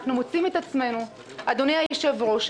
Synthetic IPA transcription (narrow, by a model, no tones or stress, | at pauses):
χnumot͡simet̪at͡sme̞nu | ad̪onejajʃevʁoʃ